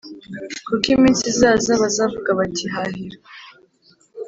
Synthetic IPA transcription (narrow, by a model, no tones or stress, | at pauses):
kukimiːnsizaːzaβazavuɡaβatʰiɦahiɾa